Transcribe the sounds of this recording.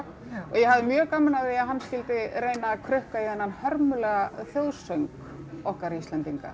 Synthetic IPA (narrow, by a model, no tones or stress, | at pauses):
ɔɣjɛɦavðɪmjœːɣkamːanavejaɦanːscɪlt̪ɪɾeːjnaːkʰɾœhkaiðɛnːanhœɾmʏlɛɣaθjowðsœŋk | ɔhkaɾiist̪lɛnt̪iŋka̰